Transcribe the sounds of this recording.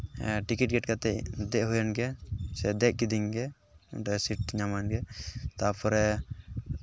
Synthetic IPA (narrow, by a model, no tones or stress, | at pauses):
ʈikiʈ̚ɡɛʈ̚kat̪ɛcd̪ɛʔɦujanɡɛsɛd̪ɛʔ̚kid̪iŋɡɛ | ṵʈɛsiʈ̚ɲamanɡɛt̪apʰɔɾɛ